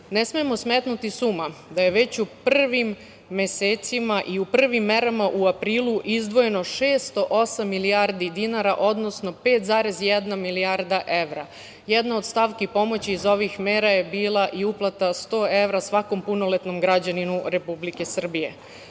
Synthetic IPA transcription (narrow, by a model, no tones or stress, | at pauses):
ne̞smijemo̞smet̪nut̪isumad̪aje̞ʋe̞t͡ɕupr̩ʋimː | e̞seːt̪simaʔiupr̩ʋimːe̞ɾamaʔuapɾiːlˠuʔizd̪ʋo̞je̞no̞ʃe̞ːst̪oʔo̞samːiliaɾd̪id̪inaɾaʔo̞d̪no̞sno̞pe̞ːt̪zaːɾe̞zjɛd̪namiliaɾd̪aʔe̞ʋɾa | jed̪naod̪st̪aʋkipo̞mo̞t͡ɕiːzo̞ʋixmeːɾaje̞biːlˠaʔiuplˠat̪ast̪o̞ːe̞ʋɾasʋako̞mpuno̞let̪no̞mɡɾad͡ʑaninuɾe̞publike̞sr̩bije̞